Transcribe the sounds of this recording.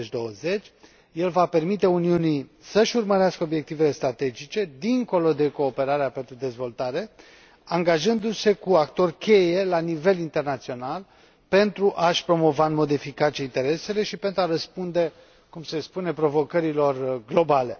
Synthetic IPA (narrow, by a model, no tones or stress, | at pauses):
et͡ʃʲd̪o̞wəze̞t͡ʃʲ | je̞lvape̞rmit̪e̞uniunisəʃʲurməɾeaskəobje̞k̚t̪ive̞le̞st̪ɾat̪e̞d͡ʒit͡ʃe̞d̪iŋko̞lo̞d̪e̞ko̞ːpe̞ɾaɾeape̞nt̪ɾud̪e̞zvo̞lt̪aɾe̞ | aŋɡaʒɨnd̪use̞kuakt̪o̞rʲkʲe̞je̞lanive̞lint̪ernat̪sio̞nal | pe̞nt̪ɾuʔaʃpɾo̞mo̞vaɨnmo̞d̪e̞fikat͡ʃieint̪e̞ɾe̞se̞le̞ʃipe̞nt̪ɾuaɾəspund̪e̞ | kumse̞spune̞pɾo̞vo̞kəɾilo̞rɡlo̞bale̞